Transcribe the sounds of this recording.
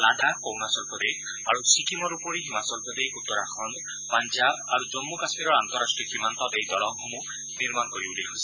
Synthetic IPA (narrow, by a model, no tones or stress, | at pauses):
ladakownasɔlpʰɔd̪ekʰ | a̰ɾusikimɔɾupɔɾiɦimasɔlpʰɔd̪ekʰut̪ːɔɾaxʰɔnd̪ | paɲd͡ʒabaɾud͡ʒɔmːukasmiɾɔɾant̪ɔɾasʈɾikimant̪ɔt̪ejd̪ɔɽɔŋɦɔmũ | niɾmanɔkɔɾibuliɦosi̥